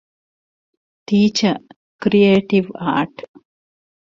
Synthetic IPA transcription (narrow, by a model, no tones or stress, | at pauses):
ʈiːt͡ʃɐ | kɾieːʈiʋa̰ːʈ